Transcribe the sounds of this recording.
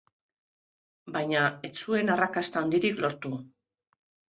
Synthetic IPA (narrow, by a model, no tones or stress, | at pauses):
bajɲae̞t͡sue̞narakast̪aond̪iɾiklo̞ɾt̪u